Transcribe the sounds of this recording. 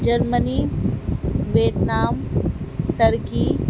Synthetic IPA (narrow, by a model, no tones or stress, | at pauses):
d͡ʒɐɾməni | ʋeːt̪naːm | t̪ɐɾɡiː